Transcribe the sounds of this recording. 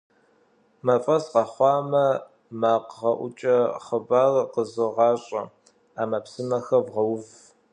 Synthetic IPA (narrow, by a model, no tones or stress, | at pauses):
mɐfʼɐsqɐχʷɑːmɐ | maːqʁɐʔʷʊt͡ʃʼɐχəbaːrqəzɨʁɑːɕʼɐ̰ | aːmɐpsɨmɐxɐvʁɐwv